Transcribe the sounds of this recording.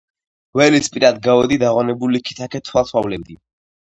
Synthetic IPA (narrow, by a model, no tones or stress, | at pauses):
wɛlispʼiɾad̪̚ɡavɛd̪id̪aʁwanɛbulikʰi̥t̪ʰakʰɛt̪ʰwalˠsʰwavlɛbd̪i